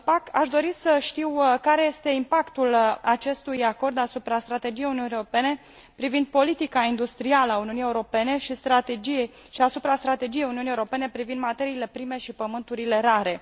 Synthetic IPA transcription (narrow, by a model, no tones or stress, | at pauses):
pakaʃd̪o̞ɾisəʃt̪iwkaɾe̞je̞st̪e̞impakt̪ulat͡ʃe̞st̪ujako̞rd̪asupɾast̪ɾat̪e̞d͡ʒijeuniunieɾope̞ne̞ | pɾivind̪̚po̞lit̪ikaind̪ust̪ɾialəauniunijeuɾo̞pe̞ne̞ʃist̪ɾat̪ed͡ʒie | ʃiasupɾast̪ɾat̪e̞d͡ʒije̞juniunieuɾo̞pe̞ne̞pɾivind̪mat̪e̞ɾiːle̞pɾime̞ʃipəmɨnt̪uɾile̞ɾaɾe̞